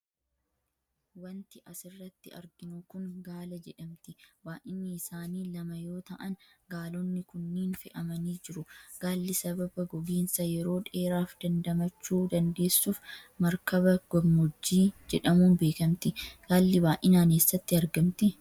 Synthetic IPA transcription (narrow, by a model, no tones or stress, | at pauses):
wɐnt̪ɪʔɐsɪrːɐt̪ːɪɐ̰ɾɡɪnʊkʊŋɡaːlɐd͡ʒɛᶑɐmt̪ɪbaːʔɪnːɪːsaːniːlɐmɐjo̞ːt̪ɐʔɐn | ɡaːlɔnːɪkʊnːiːnfɪʔɐmɐniːd͡ʒɪɾʊɡ̥aːlːɪsɐbɐbɐɡɔɡeːnsɐjɛɾo̞ːᶑe̞ːɾaːfd̪ɐnd̪ɐmɐt͡ʃːuːd̪ɐnd̪e̞ːsːuːfmɐɾkɐβɐɡ̥ɔɡmɔd͡ʒːiːd͡ʒɛᶑɐmuːnbe̞ːkɐmt̪ɪɡ̥aːlːɪbaːʔɪnaːneːsːɐt̪ːɪɐɾɡɐmt̪ɪ